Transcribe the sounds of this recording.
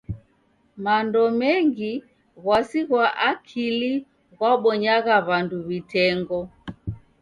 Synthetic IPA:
mandɔmɛŋɡi | ɣwasiɣwaʔakʰili | ɣwaɓɔɲaɣaβanduβitɛŋɡɔ

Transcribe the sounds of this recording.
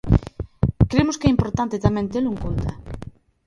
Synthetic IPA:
kɾemʊskɛimpoɾt̪ant̪et̪amẽnt̪̬eluŋkunt̪a̰

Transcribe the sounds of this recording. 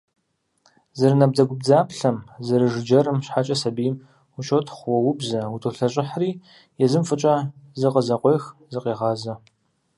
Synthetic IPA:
zɐrnɐb̚dɐɡʷʊb̚d͡zaːpɬɐmzɐɾɨʐɨd͡ʒɐɾɨmɕħat͡ʃʼɐsɐbijm | uʃotʰχʷwɔwʊbzɐʊtʰoɬɐɕʼɪħriː | jɛzɨmfɨt͡ʃʼɐzɨqʼəzɐqʷejxzɨqeːʁɑːzɐ

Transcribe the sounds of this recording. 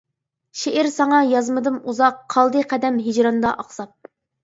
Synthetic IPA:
ʃeʔɪɾsɑŋɑjɑzmɨd̪ɨnuzɑqʰːɑlˠd̪ɨqʰɛd̪ɛmɦid͡ʒɾɑnd̪ɑʔɑqsɑp̚

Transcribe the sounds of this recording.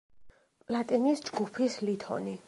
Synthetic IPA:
pʼlˠat̪ʼinisd͡ʒɡupʰislit̪ʰɔ̰ni

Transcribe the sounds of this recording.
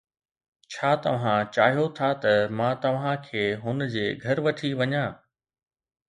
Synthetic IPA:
t͡ɕʰaːt̪ɐʋ̤ãt͡ɕaːɦijot̪ʰat̪ɐmãːt̪ɐʋ̤ãkʰeːɦʊnd͡ʑeːɡʱɐɾʋɐʈʰiʋɐɲãː

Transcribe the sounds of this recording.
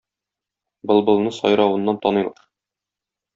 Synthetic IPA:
bɤlˠbɤ̆lˠnɤsɒ̰jɾɑwɤ̆nːɑnt̪ɒnɤjlˠɑ̰ɾ

